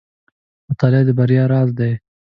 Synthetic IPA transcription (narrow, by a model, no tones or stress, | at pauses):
mʊt̪ɑlɪɑd̪əbaɾjɑɾɑːzd̪aj